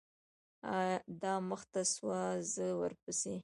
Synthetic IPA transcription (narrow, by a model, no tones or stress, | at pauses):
ad̪ɑməxt̪aswazəwəɾpəse